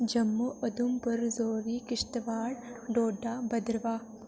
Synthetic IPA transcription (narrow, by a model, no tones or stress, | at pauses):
d͡ʒɐmːuʔɐd̪umpɐɾzoːɾikɪʃt̪ʋaːɽɖoːɖaːbɐd̪ɾʋaː